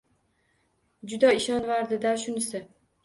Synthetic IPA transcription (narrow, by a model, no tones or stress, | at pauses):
d͡ʒʊd̪aɪʃɒnvaɾd̪ɪd̪aʃʊnɪsɪ